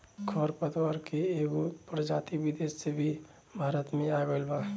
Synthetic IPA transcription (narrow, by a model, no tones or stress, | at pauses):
kʰɔɾpət̪waɾkeeːɡupɾəd͡ʒaːt̪ibid̪eːssebʱi | bʱaːɾət̪mẽaɡəlbaː